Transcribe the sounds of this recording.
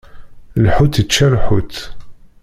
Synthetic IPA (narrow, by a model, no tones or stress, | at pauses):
lħut̪it͡ʃːælħut̪